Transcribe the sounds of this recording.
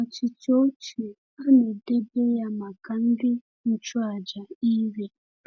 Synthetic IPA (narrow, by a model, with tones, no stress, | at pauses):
ɔ˨t͡ʃi˨t͡ʃo˦t͡ʃi˨ | a˦nʊ˨de˦be˦ja˦ma˨ka˨n̩˦dɪ˦ | n̩˦˨t͡ʃʊ˦a˨d͡ʒa˨i˦ɾe˦